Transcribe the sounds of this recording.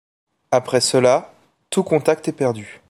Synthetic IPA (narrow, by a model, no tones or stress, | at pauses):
apχɛsəla | t̪ukɔ̃t̪ak̚t̪ɛpɛʁd̪y